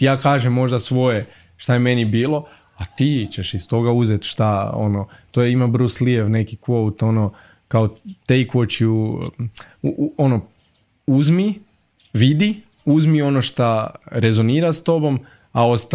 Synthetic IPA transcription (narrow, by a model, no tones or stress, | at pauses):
t̪ijaːkaːʒemːo̞ʒd̪asʋo̞je | ʃt̪ajeme̞nibiːlo̞ | at̪iːt͡ɕeʃist̪o̞ɡauzet̪ʃt̪ao̰not̪ojeimabrslieʋne̞kikowt̪o̞no | kaot̪ejkot͡ʃu | ono | uzmi | ʋid̪i | uzmio̞noʃt̪aɾezoniːɾast̪o̞bo̞m | ao̞st̪